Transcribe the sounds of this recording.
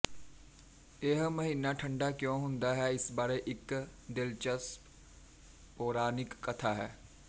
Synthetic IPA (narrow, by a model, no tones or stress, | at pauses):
eːɦmɐɦiːnaʈʰə̃ɳɖakjõːɦʊ̃nd̪aɦɛɪsbaːɾeʔɪkd̪ɪlt͡ʃəs | poːɾaːnɪkːɐt̪ʰaɦɛː